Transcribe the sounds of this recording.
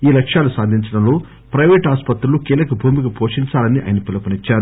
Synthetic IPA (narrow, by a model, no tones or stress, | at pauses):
iːlɐkʂaːlusaːd̪ʱiɲt͡ʃɐɽɐmlo̞ː | pɾɐjʋeːʈaːspɐt̪ɾulukiːlɐkɐbʱuːmiɡɐpoːʂiɲt͡ʃaːlɐniʔa̰jɐnɐpilɐpɐnit͡ʃːaːɾu